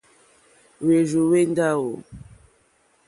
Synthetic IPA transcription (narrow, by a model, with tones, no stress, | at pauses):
we˨zu˨we˦n˦da˦wo˨